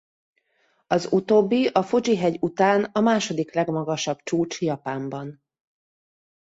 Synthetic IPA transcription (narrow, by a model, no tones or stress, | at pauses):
ɒzut̪oːbːiʔɒfod͡ʒiɦɛɟut̪aːnɒmaːʃo̞d̪iklɛɡmɒɡɒʃɒb̥t͡ʃuːt͡ʃjɒpaːmbɒn